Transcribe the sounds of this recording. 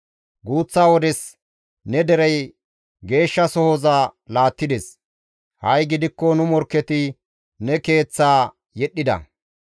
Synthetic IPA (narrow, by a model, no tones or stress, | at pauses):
ɡuːt͡sːaːwɔd̪ɛs | nɛd̪ɛɾɛj | ɡe̞ːʃːɐsɔhɔzaːlaːt̪ːɪd̪ɛs | hɐjɡɪd̪ɪkːɔnʊmɔɾkːɛt̪ɪ | nɛke̞ːt͡sːaː | jɛɗːɪd̪ɐ̰